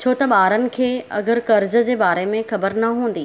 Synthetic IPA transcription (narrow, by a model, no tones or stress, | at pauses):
t͡ɕʰoːt̪ɐɓaːɾənɪ̆kʰeːɐ̰ɡəɾkɐɾd͡ʑə̆d͡ʑeːbaːɾemẽxɐbəɾnɐɦũːn̆d̪iː